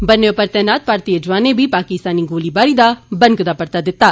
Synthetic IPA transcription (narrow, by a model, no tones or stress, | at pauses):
bənːeʊpəɾt̪ɛːnaːt̪̚paːɾt̪iːəd͡ʒʋaːnẽːbiːpaːkɪst̪aːniːɡoːliːbaːɾiːd̪aːbə̃ŋkd̪aːpəɾt̪aːd̪ɪt̪ːaː